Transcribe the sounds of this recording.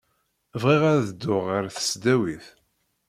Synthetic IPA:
vʁiʁæɾðəd̪ːʊʁəɾθə̥sd̪æwiθ

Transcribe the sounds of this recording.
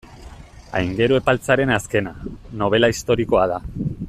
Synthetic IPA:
a̰jŋɡe̞ɾue̞palt͡saɾe̞naske̞nano̞β̞e̞laist̪o̞ɾiko̞að̞a

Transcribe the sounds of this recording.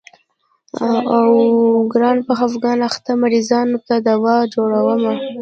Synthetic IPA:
awɡɾɑnpaxafɡɑnaxt̪amaɾizɑnot̪ad̪awɑd͡ʒoɽawəma

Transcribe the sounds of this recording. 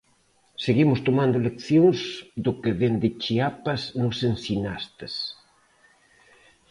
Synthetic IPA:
seɣimʊst̪omãnd̪olekθjoŋzðʊkeðend̪ɪt͡ʃiapɐznʊsensinast̪ɐs

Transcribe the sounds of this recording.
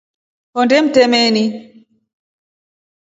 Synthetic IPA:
hɔndɛm̩tɛmɛni

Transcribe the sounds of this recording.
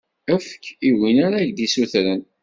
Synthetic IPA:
æfə̥kiwinaɾaʝd̪isuθɾən

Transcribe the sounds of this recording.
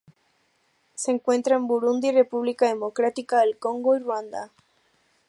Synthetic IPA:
seːŋkwẽ̞nt̪ɾaembuɾund̪ire̞puβlikaðe̞mokɾat̪ikaðe̞lkõ̞ŋɡoirwand̪a̰

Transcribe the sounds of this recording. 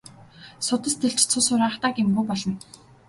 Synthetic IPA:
sʊt̪ə̆st̪ʰeɮt͡ɕt͡sʰʊsʊɾaχt̪aːɡɪ̆mɡuːpɔɮɞ̆n

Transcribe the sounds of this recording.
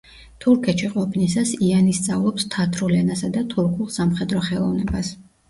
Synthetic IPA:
t̪ʰuɾkʰɛt̪ʃiqʼɔpʰnisasianist̪sʼavlˠɔpst̪ʰat̪ʰɾulɛnasad̪at̪ʰuɾkʰulˠsamχɛd̪ɾɔχɛlˠɔvnɛbas

